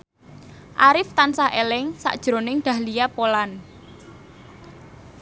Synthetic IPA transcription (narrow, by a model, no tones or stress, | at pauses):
ʔaɾɪft̪ansahelɪŋsa̰ʔd̥ʒ̥ɾo̤nɪŋɖ̪̥ä̤hlijapolan